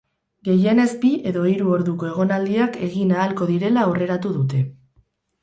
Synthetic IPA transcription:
ɡe̞je̞ne̞zbiʔe̞ðo̞iɾuo̞ɾðuko̞e̞ɣ̞o̞nald̪iake̞ɣinaːlko̞ðiɾe̞laore̞ɾat̪uðut̪e̞

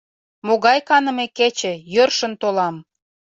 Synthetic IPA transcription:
moɣɑjkɑnə̆meket͡ɕĕjørʃə̆nt̪olɑm

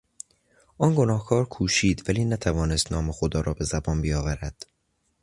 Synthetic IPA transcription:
ʔɒːnɡo̞nɒːhkʰɒːɾkʰuːʃiːd̪væliːnæt̪ʰævɒːnest̪nɒːmexod̪ɒːɾɒːbe̞zæbɒːnbijɒːvæɾæd̪̥

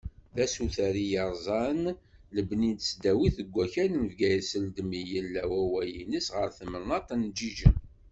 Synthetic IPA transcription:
ðæsuθæɾijɑɾˤzˤɑnləbnid̪sd̪æwiθəɡʷːæçænnəvɡæjəsəld̪əmijəlːæwæwæjinəsʁəɾθəmənːɑt̪ænd͡ʒiʒəm

